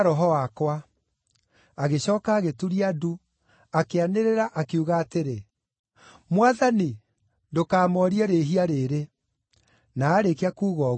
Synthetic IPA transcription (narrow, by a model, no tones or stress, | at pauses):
ɾɔɦɔwakwa | aɣeɕɔːkaːɣetuɾiadu | akeaneɾeɾaʔakeuɣaːteɾe | mwaðani | ndokaːmɔɾiaɾeɦiaɾeːɾe | naːɾekeakuːɣɔ